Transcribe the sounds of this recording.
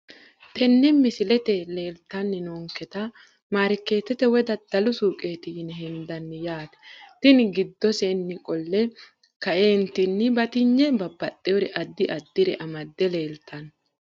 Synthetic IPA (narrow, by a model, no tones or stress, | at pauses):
t̪ʰɛnːɛmɪsɪlɛt̪ɛle̞ːlt̪ɐnːɪnoːŋkɛt̪ɐ | maːɾɪkːe̞ːt̪ːɛt̪ɛwɛd̪ɐd̪̥ɐlʊsuːkʼe̞ːt̪ɪjɪnɛɦɛnd̪ɐnːɪjaːt̪ɛ̥t̪ɪnɡɪd̪ːɔsenːɪkʼɔlːɛ | kɐʔeːnt̪ɪnːɪbɐt̪ɪɲːɛbɐbːɐt̪ʼːɛɔɾɛʔɐd̪ːɪʔɐd̪ːɪɾɛʔɐmɐd̪ːɛleːlt̪ʰːɐn